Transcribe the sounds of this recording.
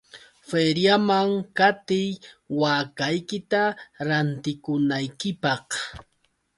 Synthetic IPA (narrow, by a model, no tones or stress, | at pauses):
feɾjamaŋkat̪ɪjwaːkajkɪt̪aɾant̪ɪkʊnajkɪpɑχ